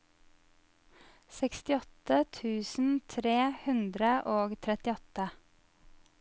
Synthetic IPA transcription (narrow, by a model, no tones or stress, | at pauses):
sɛkst̪ɪɔt̪ət̪ʰʉːsn̩t̪ʰɾeːhʉnd̪ɾəʔoːɡt̪ʰɾɛt̪ɪɔt̪ə